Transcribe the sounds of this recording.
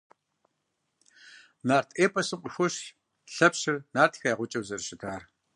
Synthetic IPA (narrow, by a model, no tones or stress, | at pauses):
naːrtʰeːpʰʼɐsɨmqʷʼəxʷʊʃ | ɬɐpɕɪrnaːrtʰxɐjaːʁʷʊt͡ʃʼɐwzɐrʃɪtʰaːr